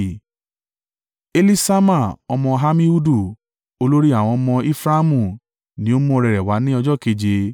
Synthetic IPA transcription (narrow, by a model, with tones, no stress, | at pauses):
e˧li˦sa˦ma˦˨ɔ˧mɔ̃˧ɦa˧mĩ˦u˦du˦˨ | o˧lo˦ɾi˦a˦˨w̃ɔ̃˧ɔ˧mɔ̃˧i˦fɾa˦mũ˦˨ | nĩ˧˦o˦mɔ̃˦˧ɾɛ˧ɾɛ˨wa˨˦nĩ˦ɔ˧d͡ʒɔ˦˨ke˨˧d͡ʒe˧